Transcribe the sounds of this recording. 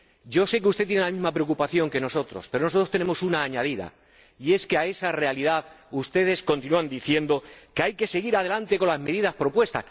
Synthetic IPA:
ɟ͡ʝo̞se̞k̬eust̪e̞t̪jenelamĩzmapɾeokupaθjo̞ŋke̞no̞so̞t̪ɾospe̞ɾonoso̞t̪ɾot̪e̞ne̞mo̞sunaːɲað̞iða̰ | ie̞ske̞ae̞sare̞aliðaðust̪e̞ð̞e̞sko̞nt̪inuand̪iθje̞nd̪o̞keajke̞se̞ɣ̞iɾaðe̞lant̪e̞ko̞nlazme̞ðiðaspɾo̞pwe̞st̪a̰s

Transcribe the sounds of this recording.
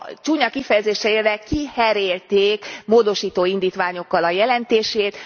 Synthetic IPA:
t͡ʃuːɲɒkifɛjɛzeːʃɛerɛkihɛɾeːlt̪eːkmoːd̪o̞ʃiːt̪oːind̪iːt̪ʋaːɲo̞kːɒlɒjɛlɛnt̪eːʃeːt̪

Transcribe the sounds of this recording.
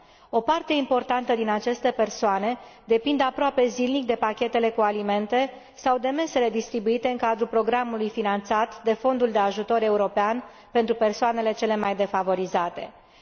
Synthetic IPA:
o̞part̪e̞impo̞rt̪ant̪əd̪inat͡ʃe̞st̪e̞pe̞rsoane̞d̪e̞pind̪apɾoape̞zilnik̚d̪e̞pakʲe̞t̪e̞le̞kualime̞nt̪e̞ | sawd̪e̞me̞se̞le̞d̪ist̪ɾibuit̪e̞ɨŋkad̪ɾupɾo̞ɡɾamulujfinant̪sat̪d̪e̞fo̞nd̪uld̪e̞aʒut̪o̞ɾe̞uɾo̞pean | pe̞nt̪ɾupe̞rsoane̞le̞t͡ʃe̞le̞majd̪e̞favo̞ɾizat̪e̞

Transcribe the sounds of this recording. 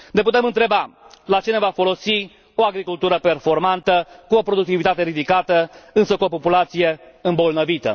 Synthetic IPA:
ne̞put̪e̞mɨnt̪ɾe̞balat͡ʃine̞vafo̞lo̞si | o̞aɡɾikult̪uɾəpe̞rfo̞rmant̪əkuo̞pɾod̪uk̚t̪ivit̪at̪e̞ɾid̪ikat̪əɨnsəkuopopulat̪sije̞ɨmbo̞lnəvit̪ə̰

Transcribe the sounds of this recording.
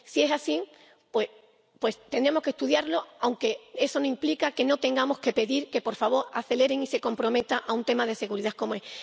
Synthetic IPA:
sie̞sasi | pwe | pwe̞st̪e̞nd̪ɾemo̞hke̞st̪uðjaɾlo̞awŋke̞e̞so̞noimplikake̞no̞t̪e̞ŋɡamo̞hke̞pe̞ðiɾke̞po̞ɾfaβ̞o̞ɾaθe̞le̞ɾeŋise̞ko̞mpɾo̞me̞t̪aʔaunt̪e̞mað̞e̞se̞ɣuɾiðako̞moes

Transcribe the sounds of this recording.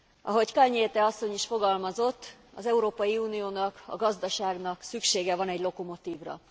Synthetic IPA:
ʔɒ̰ɦo̞ɟkɒlɲeːt̪ɛɒsːo̞ɲiʃfo̞ɡɒlmɒzo̞t̪ː | ɒ̰zɛuɾoːpɒjiuːnijoːnɒkɒ̰ɡɒzd̪ɒʃaːɡnɒksykʃeːɡɛvɒnɛɟlo̞ko̞mo̞t̪iːvrɒ̰

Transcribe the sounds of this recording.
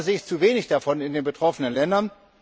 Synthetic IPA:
zɪːçt͡suveːnɪçd̥afɔnɪndeːnbətʁ̥ɔfənənlɛndɐn

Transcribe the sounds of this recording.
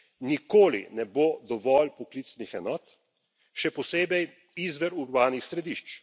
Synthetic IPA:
nikoːlḭnɛbod̪ɔʋɔlpɔklit̪snixɛnɔːt̪ | ʃɛpɔseːbɛj | izʋɛɾuɾbaːnixsɾɛd̪iʃt͡ʃ

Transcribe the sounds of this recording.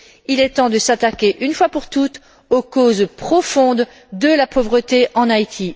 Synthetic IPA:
ilɛt̪ɑ̃d̪əsat̪akʲeʔynfwapuʁt̪ut̪ | okozpχɔfɔ̃d̪ | d̪əlapovʁət̪eʔɑ̃nait̪ʰi

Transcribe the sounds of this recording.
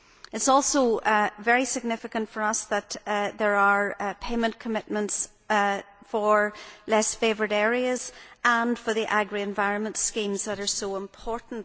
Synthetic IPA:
ɪtsɔlˠsovɛɹisɪɡ̚nɪfɪkə̃ntfə˞ʌsðət̪ðə˞ə˞pʰeɪmə̃nkʰəmɪʔ̚mə̃nts | fə˞lɛsfevə˞ɾɛɹiəz̥ə̃nfə˞ðiʔaɡɹiɛ̃nvaɪɹə̃nmə̃ntskĩmzðəɾə˞soɪ̃mpʰɔɹʔn̩t

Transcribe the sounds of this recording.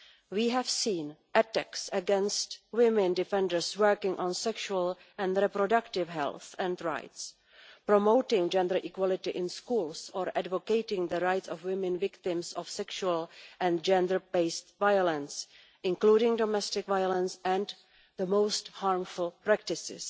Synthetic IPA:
wiːɦɛvsĩːnʔɛtɛksəɡɛ̃nstwɪmɪ̃ndɪfɛ̃ndəɹswɜ˞kɪ̃ŋʔɔ̃nsɛkʃuəl | ʔɛ̃ndɾɛpɾodaktɪvɦɛ̰lˠθɛ̃ndɹa̰jts | pɹomoʊtɪ̃ŋd͡ʒɛ̃ndə˞ʔikwɔlɪtɪʔɪ̃nskuːlˠsɔɹʔadvokeɪtɪ̃ŋðəɹajtsɔfwɪmɛ̃nvɪktɪ̃msɔfsɛkʃuəlˠʔɛ̃nd͡ʒɛ̃ndə˞beɪstvajolɛ̃ns | ɪ̃ŋkluːɾɪ̃ŋdɔmɛstɪkvajolɛ̃nsɛ̃nd | ðəmowsthaɹmfulpɾæk̚tɪsɪ̰s

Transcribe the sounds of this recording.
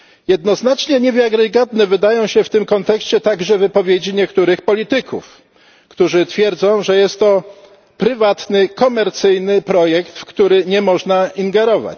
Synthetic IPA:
jɛd̪nɔznat͡ʂɲɛɲɛvʲjaɡɾɛɡɔd̪nɛvɘd̪ajɔ̃w̃ɕɛft̪ɘmkɔnt̪ɛkɕt͡ɕɛt̪aɡʐɛvɘpɔvʲjed͡ʑiɲɛkt̪uɾɘxpɔlʲit̪ɘkʰṵf | kt̪uʐɘt̪fʲjɛɾd̪zɔ̃w̃ʐɛjɛst̪ːɔ | pɾɘvat̪nɘkɔmɛɾt̪sɘjnɘpɾɔjɛkt̪fkt̪uɾɘɲɛmɔʐnaiŋɡɛɾɔva̰t͡ɕ

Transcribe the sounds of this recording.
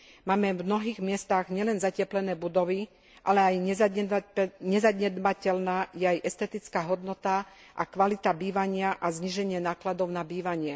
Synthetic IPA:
maːmɛvmnɔɦiːɣmɪɛst̪aɣɲɪɛlɛnzacɛplɛnɛːbud̪ɔʋi | ʔalɛajɲ | ɲɛzaɟɲɛd̪bacɛlnaːjɛajʔɛst̪ɛt̪it͡skaːɦɔd̪nɔt̪a | ʔa̰kʋalit̪abiːʋaɲɪaʔazɲiːʒɛɲɪɛnaːklad̪ɔʊnabiːʋaɲɪɛ

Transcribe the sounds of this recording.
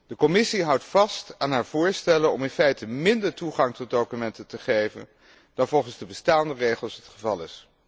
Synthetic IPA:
d̥əkɔmɪsiɦʌwtfɑstaːnɦaːɹv̥ʊːɹstɛlənɔ̰mɪnfɛjtəmɪndəɹtuχɑŋtɔt̚dowkymɛntəntəχejvə̰n | d̥ɑnvɔlˠχənzdəbəstaːndərejχəlˠsɦətχəvɑlˠɪs

